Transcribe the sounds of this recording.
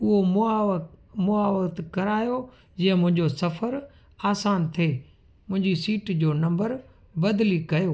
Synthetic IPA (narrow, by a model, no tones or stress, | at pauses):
ʊɦomʊamʊaːʋəkt̪kɐɾaːjo | d͡ʑĩːə̃mʊ̃ɦɪ̃ɲd͡ʑosɐfəɾ | aːsaːnt̪ʰieː | mʊ̃ɦɪ̃ɲd͡ʑisiːʈd͡ʑoːnɐ̃mbəɾ | bɐd̪likɐjoː